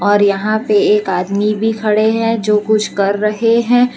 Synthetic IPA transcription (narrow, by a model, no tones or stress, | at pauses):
ɔːɾjɐɦãpeeːkaːd̪mibʱikʰɐɽeɦɛ̃d͡ʒoːkʊt͡ʃʰkɐɾːɐɦeɦɛ̃ː